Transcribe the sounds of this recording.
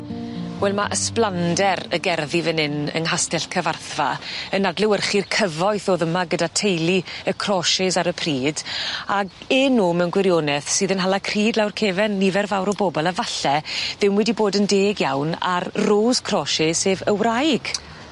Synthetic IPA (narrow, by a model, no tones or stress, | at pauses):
wɛlˠmaʔəsplˠandɛɾə̰ɡɛrðivɛnɪnə̰nɦastɛɬkʰəvarθva̰ənadlɪwərχirkʰəvɔjθɔðəmaɡədatʰejlˠiəkʰrɔʃɪzaɾəpʰriːd̥aɡɪnːuːmɛnɡwɪɾjoːnɛθsɨːðənɦalˠakʰriːdlawrkʰeːvɛnːivɛrvawɾɔbɔbɔlˠavaɬɛðɪmwɛdiboːdəndeːɡjawna̰rroːz̥kʰrɔʃɪ̥seːvəwrajɡ̥